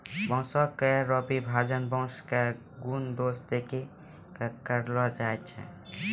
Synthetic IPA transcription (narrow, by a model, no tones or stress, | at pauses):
bɔ̃sɔkːeɾɔpibʱad͡ʒənbɔ̃ske | ɡund̪osd̪eke | kkəɾlɔd͡ʒaet̪̚t͡ʃʰɛ̰